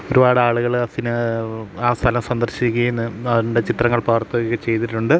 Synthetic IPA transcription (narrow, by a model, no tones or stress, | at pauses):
o̞ɾubaːɽɨaːɭuɣɐɭɐðinɨaːst̪ʰɐlɐmsɐnd̪ɐrɕikʲːɐjenːɨɐðiuɳɖe̞t͡ɕit̪rɐŋːɐɭpɐːrt̪ːokːet͡ɕe̞jt̪iʈːuɳɖɨ